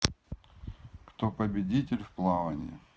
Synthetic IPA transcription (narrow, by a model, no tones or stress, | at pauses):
kt̪opəbʲɪdʲitʲɪlʲfplˠavɐnʲɪ̰